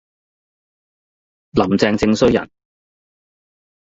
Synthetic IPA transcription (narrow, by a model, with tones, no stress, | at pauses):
lɐ˨˩mt͡sɛː˧ŋt͡sɪ˧ŋsɵ˥ɥjɐ̰˨˩n